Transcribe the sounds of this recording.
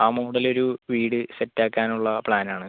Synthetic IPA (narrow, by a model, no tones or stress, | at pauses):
aːmuːɽɐlo̞ɾuʋiːɽɨsetːaːkːaːnuɭːɐpɭaːnaːɳɨ